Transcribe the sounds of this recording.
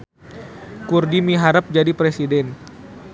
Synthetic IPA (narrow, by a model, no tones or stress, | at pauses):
kurdimiɦaɾəp̚d͡ʒadipɾesidɛn